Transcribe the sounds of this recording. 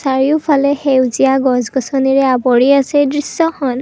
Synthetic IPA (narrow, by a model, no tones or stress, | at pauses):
saɹiʊpʰalɛxewziaɡɔzɡɔsɔniɹɛabɔɹiasɛdɹissɔxɔn